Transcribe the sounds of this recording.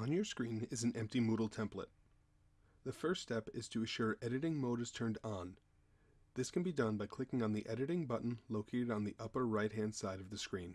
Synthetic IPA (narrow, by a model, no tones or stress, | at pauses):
ə̃njə˞skɹĩnɪzn̩ʔɛ̃mp̚timuɾl̩ˠtʰɛ̃mplə̰t̪̚ | ðɨfɜ˞ststɛpɪz̥tʰɨɨʃʊɹʔɛɾɨɾɪ̃ŋmoʊɾɨz̥tʰɜ̃˞ndn̩ | ðɪskʰɨ̃n̩bidʌ̃nbaɪkʰl̥ɪkɪ̃ŋə̃nðiʔɛɾɨɾɪ̃ŋbʌʔn̩loʊkʰeɪɾɨɾn̩ðiʔʌpə˞ɹaɪt̚ɦæ̃nd̥saɪɾʌvðɨskɹĩn